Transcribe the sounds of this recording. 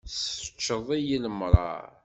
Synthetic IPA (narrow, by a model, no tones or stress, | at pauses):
sə̥t͡ʃːəðˤijiləmɾˤɑ̰ɾ